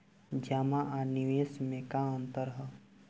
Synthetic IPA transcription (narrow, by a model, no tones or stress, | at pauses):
d͡ʒamaʔaniʋeːsmẽkaə̃nt̪əɾɦɛ